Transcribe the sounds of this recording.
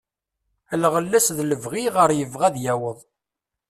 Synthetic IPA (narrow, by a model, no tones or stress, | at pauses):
əlʁəlːæsðləvʁiʁəɾjəvʁæðjæwəðˤ